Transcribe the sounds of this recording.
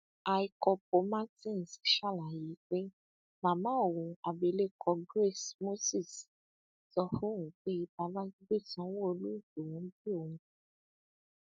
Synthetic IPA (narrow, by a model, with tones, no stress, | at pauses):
a˧i˧kɔ˧po˧mã˦tĩ˦˨n̩˨si˨ʃa˦˨la˨ji˨˦k͡pe˦ | mã˨mãː˦o˨wũ˨˧a˨be˨˧˦le˦kʰɔ˧ɡɾe˦˨smo˦si˦˨s | sɔ˧fũ˦wũ˨˦k͡pe˦i˧ba˧la˦i˦ɡ͡be˦˨tã˨˦w̃õ˦o˧lu˦i˦˨ko˨wũ˨˦bi˦o˧hũ˧